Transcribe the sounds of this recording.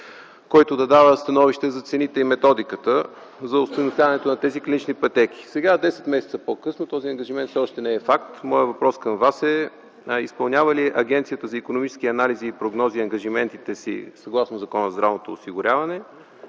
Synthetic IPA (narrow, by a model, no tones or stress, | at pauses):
kɔjt̪od̪ɐd̪avəst̪ɐnɔviʃt̪ɛzɐt̪sɛnit̪ɛimɛt̪ɔd̪ikət̪ə | zɐost̪ojnost̪ʲavɐnɛt̪onɐt̪ɛziklʲinit͡ʃnipɐt̪ɛk̟i̥sɛɡad̪ɛsɛ̥t̪mɛsɛt̪sɐpokɤsnot̪ɔziɐŋɡɐʒimɛnt̪sɛɔʃt̪ɛnɛɛfakt̪mɔjəvɐpɾɔskəmvasɛ | ispɐlˠnʲavəliʔɐɡʲɛnt̪sijət̪əzɐikonomit͡ʃɛ̥sk̟ʲiɐnaliziːpɾoɡnɔziɐŋɡɐʒimɛnt̪it̪ɛsḭsɐɡlˠasnozɐkɔnəzɾavnot̪oːsiɡʊɾʲavɐnɛ